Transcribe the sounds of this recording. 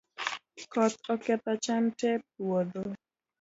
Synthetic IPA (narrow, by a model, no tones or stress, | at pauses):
kɔt̪ɔkɛt̪at͡ʃantɛp̚wod̪o